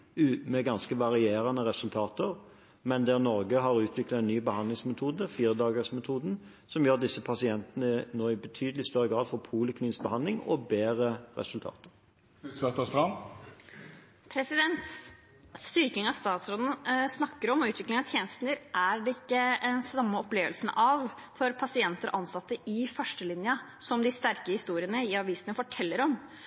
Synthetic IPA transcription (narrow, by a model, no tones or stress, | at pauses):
mɛɡɑnskəʋɑʁɪeːɾɑnəʁɛsʉlt̪ʰɑːt̪əʁ | mɛnd̪ɛnɔɾɡəɦɑʁʉːt̪ʰʋɪklɑt̪ɛnnːyːbəhɑnd̪lɪŋsmɛt̪ʰuːd̪əfiːɾəd̪ɑːɡəsmɛt̪ʰuːd̪n̩ | sɔmjøːʁd̪ɪsːəpʰɑsɪɛnt̪nənoːɪbət̪ʰyːd̪əlɪst̪œʁːəɡʁɑːd̪fɔpʰuːləkliːnsk̚bəhɑnd̪lɪŋɔ̰beːʁəʁɛ̰sʉlt̪ʰɑ̰ːt̪ə̥ʁ | ɛt̪əst̪ɾɑm | pʰɾɛsɪd̪ɛnt̪ | st̪ʏɾkɪŋɑʋst̪ɑːt̪sɾɔd̪n̩snɑkːəɾɔmʉːt̪ʰʋɪklɪŋɑt̪ʰjeːnəst̪nəɾʔæɖɛɪkːəɛnsɑmːəɔpleːʋəlsn̩ʔɑʋfɔɾpʰɑsɪɛnt̪əɾʔɑnsɑt̪ːəʔɪfœʂʈəlɪnjəsɔmd̪ɪst̪æɾkəhɪst̪uːɾɪənəɪɑʋiːsənəfɔʈʰɛlːəɾɔm